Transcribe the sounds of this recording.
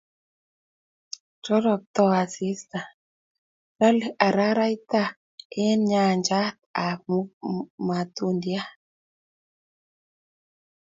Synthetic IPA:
t͡ʃɔ˦ɾɔ˨k̚t̪ɔ˦˨a˨si˦st̪a˨ | ɾa˦la˨ɾa˦ɾa˦i˦t̪a˦ | ɛ˦nɲa˨ɲd͡ʒa˦t̪̚a˨mu˦ma˨t̪u˦ndja˦

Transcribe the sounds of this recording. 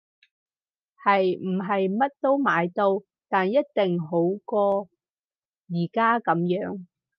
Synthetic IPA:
hɐ˨jm̩˨˩ɦɐ˨jmɐ˥t̚t̪o˥wmaː˨˧jt̪o˧w | t̪aː˨njɐ˥t̚t̪ɪ˨ŋɦo˨˥wkɔː˧ | jiː˨˩kaː˥kɐ˨˥mjœː˨˥ŋ

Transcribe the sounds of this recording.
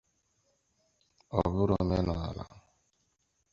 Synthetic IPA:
ɔ˨bʊ˦ɾɔ˨me˦nɔ˨a̰˨la̰˨

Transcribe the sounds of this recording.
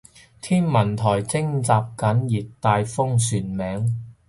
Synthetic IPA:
t̪ʰiː˥nmɐ˨˩nt̪ʰɔː˨˩jt͡sɪ˥ŋt͡saː˧p̚kɐ˨˥njiː˨t̚t̪aː˧jfʊ˥ŋsyː˨nmɛː˨˥ŋ

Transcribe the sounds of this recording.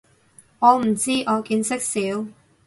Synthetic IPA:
ŋɔː˨˧m̩˨˩t͡siː˥ʔɔː˨˧kiː˧nsɪ˥k̚siː˨˥w

